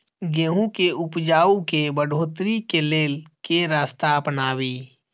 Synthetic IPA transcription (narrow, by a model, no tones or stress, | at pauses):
ɡeːɦũkeʊpd͡ʒaːukebəɖʱoːt̪ɾikeleːlkeɾaːst̪aəpnaːwiː